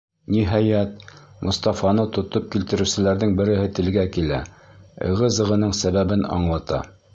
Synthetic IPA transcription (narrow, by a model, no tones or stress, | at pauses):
niɦɑjæt̪̚mʔŏst̪ɑfɑnɤt̪ŏt̪op̚kilt̪ɘ̆ɾɘ̆sɘ̆læɾðɘŋbɘ̆ɾɘ̆ɦɘt̪ɘ̆lɡækilæ | ɤ̰̆ʁɤzɤ̆ʁɤ̆nɤɴsæβæβɘnɑ̰ɴlˠɑt̪ɑ̰